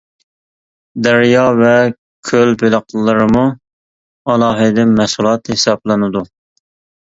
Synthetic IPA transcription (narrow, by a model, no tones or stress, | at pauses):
d̪ɛɾjɑvɛ | kʲʰølbeləqʰlˠːɨɾɨmu | ɑlˠɑːɦɨd̪ɪmɛsulˠɑt̪hesɑblˠɨnɨd̪u